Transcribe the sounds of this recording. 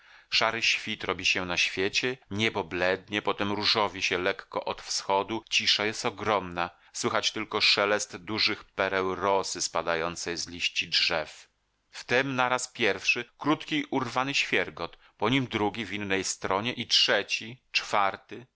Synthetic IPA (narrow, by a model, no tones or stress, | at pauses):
ʂaɾɘɕfʲit̪ɾɔbʲiɕɛnaɕfʲjet͡ɕɛɲɛbɔblɛd̪ɲɛpɔt̪ɛmɾuʐɔvʲiɕɛlɛkːɔ̰ʔɔt̪fsxɔd̪ut͡ɕiʂajɛst̪ɔɡɾɔmna | swɘxat͡ɕt̪ɘlkɔʂɛlɛst̪d̪uʐɘxpɛɾɛwɾɔsɘspad̪ajɔnt̪sɛjzlʲiɕt͡ɕidʐɛf | ft̪ɛmnaɾaspʲjɛɾfʂɘkɾut̪kʲiʔuɾvanɘɕfʲjɛɾɡɔt̪ | pɔɲimd̪ɾuɡʲivʲinːɛjst̪ɾɔɲɛʔitʂɛt͡ɕit͡ʂfaɾt̪ɘ